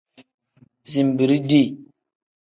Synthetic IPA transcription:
zi˨m˨bi˨ɾi˦di˦˨

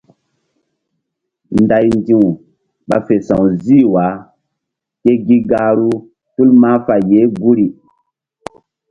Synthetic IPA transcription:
nda˨jndi˦˨ | ɓa̰˨fe˨sã˨wziː˦wa˨˦ | ke˦ɡi˦ɡa˦ɾu˦ | tu˦lma˦fa˨je˨˦ɡu˦ɾi˨

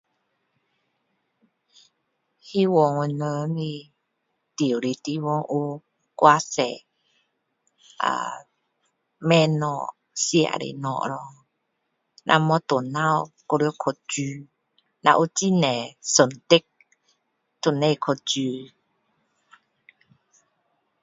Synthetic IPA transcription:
hi˦wɔ˨ŋwə˧˨nə˧˦ni˧ | t̪i˨u˨ɾi˨˧t̪i˧wɔ˧ŋʔu˦ | kwa˧sɛ˨ | a̰˨ | mɛ˦nɔ˨ | si˧a̰˨ɾḭ˨nɔ̰˨ʔɾɔ˧ | nʔa̰˧mɔ˧˦t̪o˨na˧wko˧ɾi˧o˦kʰo˨d͡ʒu˧ | na̰˧ʔu˦ti˦nɛ˨sə˨nt̪e˦k̚ | t̪o˨ne˧jkʰo˧˨d͡ʒu˧

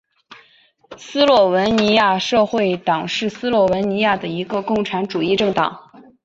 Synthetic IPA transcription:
sɹ̩˥lwɔ˥˩wə˧˥nni˧˥ja˥˧ʂɤ˥˧xwe˥˩ɪt̪ɑ˨˩ŋʂɻ̩˥˧sɹ̩˥lwɔ˥˩wə˧˥nni˧˥ja˥˩d̪ə˩i˧˥ɡə˧kʊ˥˩ŋʈ͡ʂʰa˧˥nʈ͡ʂu˨˩i˥˧ʈ͡ʂɤ˥˩ŋt̪ɑ̰˨˩˦ŋ

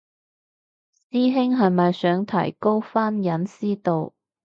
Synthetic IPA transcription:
siː˥ɦɪ˥ŋɦɐ˨jmɐ˨jsœː˨˥ŋt̪ʰɐ̰˨˩jko˥wfaː˥njɐ˨˥nsiː˥t̪o˨˧w

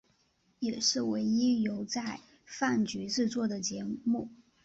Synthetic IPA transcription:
jɛ˨˩ʂɻ̩˥˩we˧˥ɪi˥jo˧˥ʊt͡sa˥˧ɪ | fa˥˩nt͡ɕy˧˥ʈ͡ʂɻ̩˥˧t͡swɔ˥˩d̪ə˩t͡ɕjɛ˧˥mu˥˩

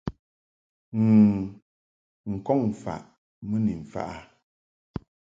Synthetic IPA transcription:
ŋ˨ | ŋ̩˨kɔ˦ŋ˨fa̰˨ʔ | mɨ˦ni˨ɱ̩˨fa̰˦˨ʔa˦

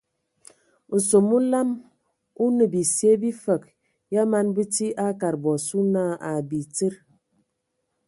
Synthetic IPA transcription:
u˨so˨mu˦la˦m | u˦nə˨bi˨sje˦bi˦fə˨k̚ | ja˦ma˦nbɨ˦ti˦ʔa˦ka˨ɾbɔ˨su˦na˦˨a˨bi˨t͡sə˦ɾ

